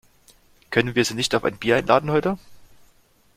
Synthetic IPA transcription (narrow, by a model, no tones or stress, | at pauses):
kʰœnənviːɐziːnɪçtaʊfʔa̰ɪnb̥iːɐʔaɪnlʔa̰ːdn̩hɔʏtə